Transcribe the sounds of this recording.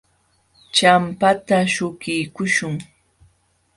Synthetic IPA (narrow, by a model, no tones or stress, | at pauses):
t͡ʃampat̪aʃʊkɪjkʊʃʊŋ